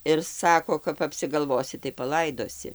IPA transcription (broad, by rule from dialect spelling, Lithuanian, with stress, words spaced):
ɪr ˈsɑːkoː kɐp ɐpʲsʲɪɡɐlˠˈʋoːsʲɪ tɐɪ pɐˈlˠɐɪdoːsʲɪ